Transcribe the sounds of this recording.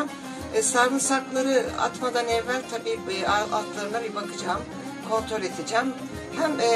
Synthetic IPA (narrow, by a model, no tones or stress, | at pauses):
m | saɾvɯnsaɾk̪lˠaɾɯa̰t̪mad̪anɛvːælʲt̪ʰabiːaalˠklˠaɾɯnabibakʰɯd͡ʒaːm | kʰo̞nt̪ʰɾo̞lʲet̪ʰed͡ʒæm | hæm